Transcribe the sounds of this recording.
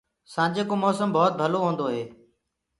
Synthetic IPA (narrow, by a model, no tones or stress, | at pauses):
sãːd͡ʒeːkoːmɔːsəmbɔːt̪̚bʱəloːɦũːnd̪oːɦeː